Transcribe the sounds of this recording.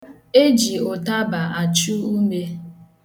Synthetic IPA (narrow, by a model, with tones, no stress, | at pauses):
e˦d͡ʒi˨ʊ˨ta˦ba˨ʔa˨t͡ʃu˦u˦me˦